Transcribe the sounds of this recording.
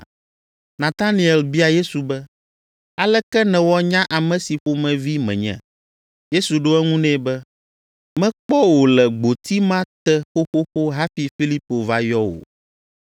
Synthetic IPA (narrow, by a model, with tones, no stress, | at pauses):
nã˨t̪a˦nĩ˨ɛ˨lbi˦a˨je˦su˨bɛ˦ | a˨lɛ˦kɛ˦nɛ̃˨wɔ˦ɲã˦ʔa˨mɛ̃˨si˨ɸo˦mɛ̃˨vi˦mɛ̰̃˨ɲɛ̰̃˨ | je˦su˨ɖo˦ɛ˦ŋũ˦nɛ̃˦bɛ˦ | mɛ̃˦k͡pɔ˦wo˨lɛ˨ɡ͡bo˨t̪i˦mã˦t̪ɛ˦xo˦xo˦xo˦ɦa˦fi˨fi˦li˦po˨va˦jɔ˦wo̰˨